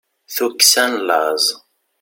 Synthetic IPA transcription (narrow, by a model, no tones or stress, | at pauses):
θuksænlɑzˤ